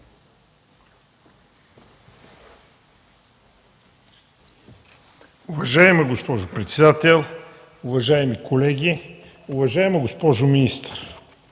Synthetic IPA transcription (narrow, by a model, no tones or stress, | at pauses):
uvɐʒaɛməɡospɔʒʊpɾɛt̪sɛd̪at̪ɛlˠ | uvɐʒaɛmikʰolɛɡʲi | uvɐʒaɛməɡospɔʒʊminist̪ə̥ɾ